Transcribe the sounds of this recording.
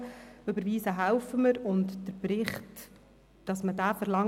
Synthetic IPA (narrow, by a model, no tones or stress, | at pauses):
ʏbəɾviːsəɦæwfəməɾʊntd̥əɾpɾɪχt | d̥ɑsmədæːfəɾlɑŋ